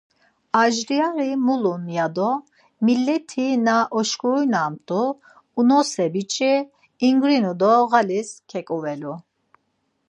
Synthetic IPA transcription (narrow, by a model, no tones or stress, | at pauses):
aʒɾiaɾimulunjad̪ɔ | milːɛt̪ʰinaʔɔʃkʼuɾujnaːmt̪ʼuː | nɔsɛbit͡ʃʼiː | ŋɡɾinud̪ɔɣaliskʰɛkʼuvɛlu